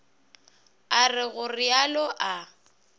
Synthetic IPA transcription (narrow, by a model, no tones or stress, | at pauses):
arɪɣʊrɪalɔʔa